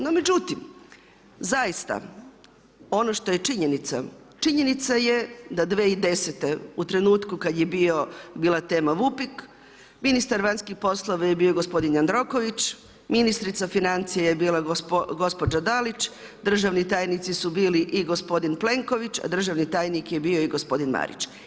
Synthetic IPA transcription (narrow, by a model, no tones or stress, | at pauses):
nome̞d͡ʒut̪im | zajist̪a̰ | o̞no̞ʃt̪o̞je̞t͡ʃiɲenit̪sa̰ | t͡ʃiɲe̞nit̪saje̞d̪ad̪ʋeːid̪e̞set̪e̞ut̪ɾe̞nuːt̪kukad̪je̞bio̞biːlˠat̪e̞ːmaʋupik | minist̪aɾʋanskixpo̞slˠoʋajebiːoɡo̞spo̞d̪inand̪ɾo̞ko̞ʋit͡ʃ | minist̪ɾit̪safinant̪sijejebiːlaɡo̞spo̞d͡ʒad̪alit͡ʃ | d̪r̩ʒaʋnit̪aːjnit̪sisubiːliʔiɡo̞spo̞d̪inple̞ŋkoʋit͡ʃa̰d̪r̩ʒaʋnit̪aːjnikjebio̞iɡo̞spo̞d̪inma̰ɾḭt͡ʃ